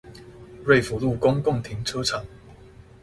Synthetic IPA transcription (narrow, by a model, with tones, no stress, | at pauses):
ɹe˥˨ɪfu˨˥˦lu˥˨˩kʊ˥ŋkʊ˥˨ŋt̪ʰi˨˥ŋt͡sʰɤ˥t͡sʰɑ˨˩˦ŋ